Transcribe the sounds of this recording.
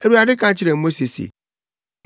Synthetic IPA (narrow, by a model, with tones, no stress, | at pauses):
e˨ɾu˦a˨dɪ˦kã˦t͡ɕʰɪ˦ɾe˨m̩˦mo˦se˨sḛ˨